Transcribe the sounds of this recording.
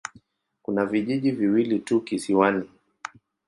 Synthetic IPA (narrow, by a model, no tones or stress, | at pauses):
kunaviʄiʄiviwilitukisiwani